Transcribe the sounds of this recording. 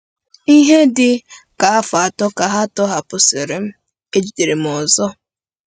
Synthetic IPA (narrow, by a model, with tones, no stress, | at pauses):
i˦ɦe˦dɪ˨ka˨a˦fa˨tɔ˦ka˨ɦa˦tɔ˦ɦa˨pʊ˨se˨ɾe˨m̩˦ | e˦d͡ʒi˨de˨ɾe˨m̩˨ɔ˨zɔ˦